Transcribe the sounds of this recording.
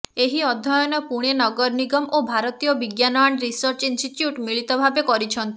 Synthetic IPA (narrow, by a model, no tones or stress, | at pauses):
eɦiɔd̪ʱɔjɔnɔpuɽ̃enɔɡɔɾniɡɔmʔobʱaɾɔt̪ijɔbiɡjanɔaɳɾisɔɾt͡ʃinsʈiʈjuʈmiɭit̪ɔbʱabekɔɾit͡ʃʰɔnt̪i